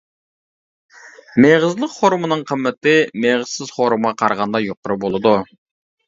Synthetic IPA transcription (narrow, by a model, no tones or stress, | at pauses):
meʁəzlˠəqχoɾmɨnɨŋqʰəmːɪt̪ɪmeʁəzsɪzχoɾumʁɑqʰɑɾʁɑnd̪ɑjoqʊɾɨbolˠɨd̪u